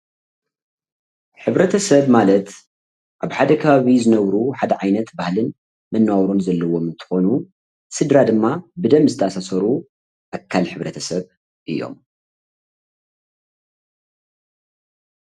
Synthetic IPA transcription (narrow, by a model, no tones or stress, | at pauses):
ħɨβɾɐt̪ʰɐsɐβmalɐt̪ | ʔaβħad̪ɐkʰɐβaβizɨnɐβɾuħad̪ɐʕajnɐt̪bahlɨn | mɨnːawɾunzɐlːɐwo̞mɨnt̪ʰɨ̥xo̞nu | sɨd̪ɾad̪ɨmːabɨd̪ɐmzɨt̪ʰɐasasɐɾu | ʔakʰːalħɨβɾɐt̪ʰɐsɐβ | ʔɨ̰jːo̰m